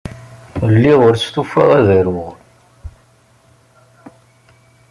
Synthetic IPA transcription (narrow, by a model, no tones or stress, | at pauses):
lːiʁʊɾt͡st̪ufæ̰ʁæðəɾwəʁ